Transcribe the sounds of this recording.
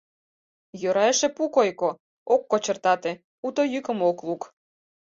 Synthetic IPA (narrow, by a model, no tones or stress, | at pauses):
jøɾɑeʃepukojko | okːot͡ɕə̆rt̪ɑt̪e | ut̪ojykə̆mokluk